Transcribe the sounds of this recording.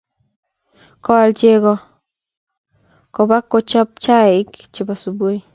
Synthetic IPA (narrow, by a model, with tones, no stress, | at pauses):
kɔ˦lt͡ʃe˦kɔ | ko˨ba˦kːo˦t͡ʃɔ˦p̚t͡ʃa˦ɪ˦kt͡ʃi˨ba˨su˨bo˦i˦